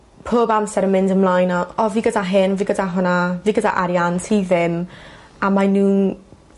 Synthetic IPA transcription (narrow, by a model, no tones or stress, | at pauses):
pʰoːbamsɛɾənmɪndəmlˠajnaɔviːɡədaɦɪnviːɡədaɦʊnaviːɡəda̰ʔaɾjantʰiðɪm | amanuː